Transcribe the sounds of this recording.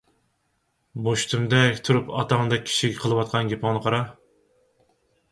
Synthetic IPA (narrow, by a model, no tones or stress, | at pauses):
moʃt̪ʰumd̪ɛkʲt̪ʰuɾupʰɑ̰t̪ɑŋɨd̪ɛk̚ʲʰːi̥ʃiɡʲɛqʰəlˠɨwɑt̪̚qʰɑnɡʲepʰɑŋnɨqʰɑɾɑ